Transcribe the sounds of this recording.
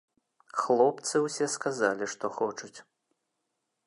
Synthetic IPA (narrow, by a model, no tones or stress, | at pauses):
xlˠɔpt̪sɨwsʲɛskazalʲiʂt̪ɔxɔt͡ʂut͡sʲ